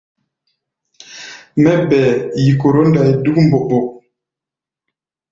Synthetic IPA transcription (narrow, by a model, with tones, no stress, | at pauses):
mɛ˦bɛː˨ji˨ko˨ɾo˦nda˨i˨du˦km̩˦bo˨bo˨ʔ